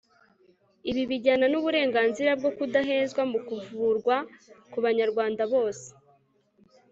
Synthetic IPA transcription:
iβiβiɟananuβuɾe̞ːŋɡaːnziɾab̚ɡo̞kudaɦe̞ːzɡwamukuvuɾɡwakuβaɲaɾɡwaːndaβo̞ːse̥

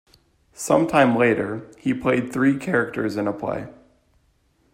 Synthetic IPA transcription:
sʌ̃mtʰãɪ̃mleɪɾə˞ipʰl̥eɪd̪̚θɹikʰɛɹɨk̚tə˞zɨ̃nəpʰl̥ḛɪ

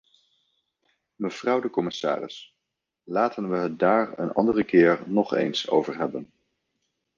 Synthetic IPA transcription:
məv̥rɑwdəkɔmɪsa̰ːrɪ̰s | laːtənʋəɦət̚daːɹə̰nɑ̰ndərəkɪːɹnɔχḛjnso̰wvəɹɦɛbən

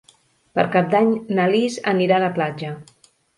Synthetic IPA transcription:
pə̰ɾkap̚d̪aɲnəlizə̰niɾaləplad͡ʒə

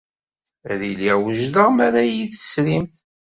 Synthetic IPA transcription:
ɾiliwəʒðəʁmaɾæjiθə̥sɾimθ

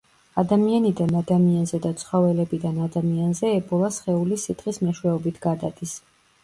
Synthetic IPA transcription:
ad̪amianid̪anad̪amianzɛd̪at̪sʰχɔvɛlɛbid̪anad̪amianzɛːbɔlˠasχɛulisit̪χismɛʃwɛɔbit̪ʰɡad̪ad̪is

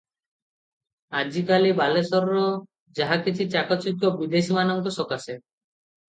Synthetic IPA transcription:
ad͡ʑikalibalesɔɾɾo | d͡ʑaɦakit͡ɕʰit͡ɕakot͡ʃukːobid̪eʃimanɔŋkosɔkase

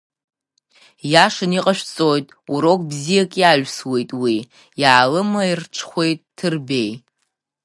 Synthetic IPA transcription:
jaʂɨniqʼaʃᶣt͡sʼojtʼuɾokʷʼbzijakʲʼjaʒʷᶣswe̞jtʼwi | jaːlɨmairʈ͡ʂʰχʷe̞jtʼːʰɨrbe̞j

